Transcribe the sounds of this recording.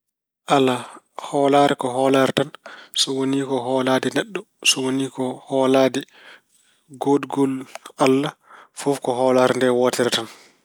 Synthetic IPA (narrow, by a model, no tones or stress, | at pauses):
ʔala | hɔːlaɾɛkɔɦɔːlaɾɛtansɔwoniːkɔɦɔːlaːdɛnɛɗːɔ | sɔwoniːkɔhɔːladɛ | ɡodɡɔlalːafufkɔɦɔːlaɾɛndɛwɔːtɛɾɛtan